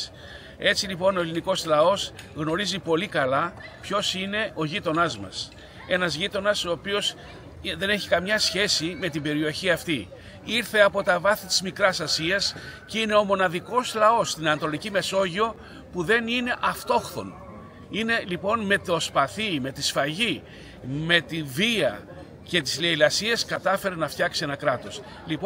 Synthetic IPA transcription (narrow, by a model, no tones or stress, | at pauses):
e̞t͡silipo̞no̞e̞liniko̞slɐo̞s | ɣno̞ɾizipo̞likɐlɐpço̞sine̞ʔo̞ʝit̪o̞nɐzmɐ̰s | e̞nɐzʝit̪o̞nɐso̞ːpio̞s | ðe̞ne̞çikɐmɲɐsçe̞sime̞t̪̬imbe̞ɾio̞çiɐft̪i | iɾθe̞ɐpo̞t̪ɐvɐθit̪i̥zmikɾɐsɐsiɐscine̞o̞mo̞nɐðiko̞slɐo̞st̪inɐnɐt̪o̞licime̞so̞ʝio̞ | puðe̞nine̞ʔɐft̪o̞xθo̞̰n | ine̞lipo̞nme̞t̪o̞spɐθime̞t̪isfɐʝi | me̞t̪iviɐ | ce̞t̪izleilɐsieskɐt̪ɐfe̞ɾenɐft̪çɐksie̞nɐkɾɐt̪o̞s | lip